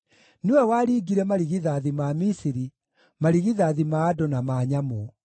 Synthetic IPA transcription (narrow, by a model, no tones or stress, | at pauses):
newɛwaɾiːɡiɾɛmaɾiɣiðaðimamisiɾi | maɾiɣiðaðimaːdonamaːɲamo